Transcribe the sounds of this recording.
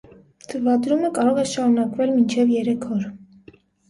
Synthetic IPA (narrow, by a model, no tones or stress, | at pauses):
t̪ʰəvɑd̪ɾuməkɑɾɔʁɛʃɑɾunɑkvɛlmint͡ʃʰɛvjɛɾɛkʰɔɾ